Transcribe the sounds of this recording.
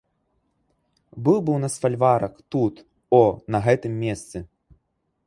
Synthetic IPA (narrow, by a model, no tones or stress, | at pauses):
bɨwbɨwnasfalʲvaɾɐkt̪ut̪ | ɔnɐɣɛt̪ɨmːʲɛst̪sɨ